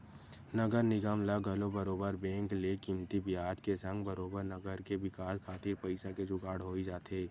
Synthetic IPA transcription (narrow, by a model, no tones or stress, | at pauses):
nɐɡəɾnɪɡaːmlaɡʱɐlobɐɾoːbəɾbɛ̃ːŋklekiːmt̪ibɪjaːd͡ʒkesɐ̃ŋɡbɐɾoːbəɾnɐɡəɾkeʋɪkaːskʰaːt̪ʰipɐɪsaked͡ʒʊɡaːɽɦoːid͡ʒaːt̪eː